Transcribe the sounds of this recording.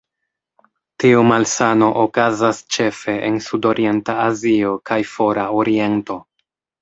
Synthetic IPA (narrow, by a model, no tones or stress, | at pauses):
tiumalsano̞ʔokazast͡ʃe̞fe̞ʔensudo̞ɾie̞ntaːzio̞kajfo̞ɾaoɾie̞nto̞